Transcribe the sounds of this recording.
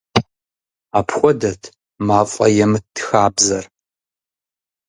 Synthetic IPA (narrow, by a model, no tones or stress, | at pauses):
aːpʰxʷɔdɐtʰ | maːfʷʼɐjɛmɨtʰːxaːbzɐr